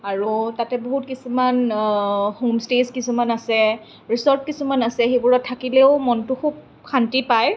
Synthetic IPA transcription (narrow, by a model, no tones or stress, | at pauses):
aɹutatɛboɦut̚kisuman | homstezkisumanasɛ | ɹisɔɹp̚kisumanasɛxebuɹɔtʰːakilɛʊmɔntʊkʰub̚ | kʰantipaj